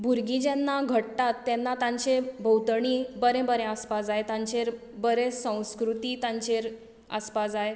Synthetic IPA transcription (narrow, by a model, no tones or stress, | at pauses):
bʱuɾɡĩd͡ʑenːaɡʱəʈt̪at̪ːɛnːat̪ãɲt͡ɕebʱəwt̪əɳ̃ibəɾɛ̃bəɾẽəspad͡zaet̪ãɲt͡ɕeɾ | bəɾesə̃w̃skɾut̪iːt̪ãɲt͡ɕeɾ | ə̰spad͡zae